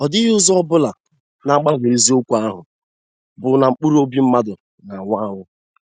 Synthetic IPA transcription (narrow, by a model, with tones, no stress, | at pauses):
ɔ˨dɪ˦ɦʊ˦zɔ˦ɔ˦bʊ˦la˨ | na˨˦k͡pa˦wʷe˨i˨zi˦o˦kʷu˦a˦ɦʊ˨ | bʊ˨na˨ŋ͡m̩˨k͡pu˦ɾu˦o˦bi˦m̩˦ma˦dʊ˨ | na˨ŋʷa˦ŋʊ˦